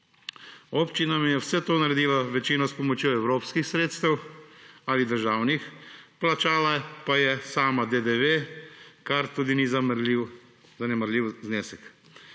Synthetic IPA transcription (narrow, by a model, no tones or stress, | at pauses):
oːpt͡ʃinamijɛwsɛt̪oːnaɾɛd̪iːlaʋɛt͡ʃiːnɔspɔmɔt͡ʃjoɛwɾoːpskixsɾeːt̪st̪ɛw | alid̪əɾʒaːwnixplat͡ʃaːlapajɛsaːmad̪ed̪eʋekaɾt̪uːd̪inizliw | zanɛmaɾlʲiwzneːsɛk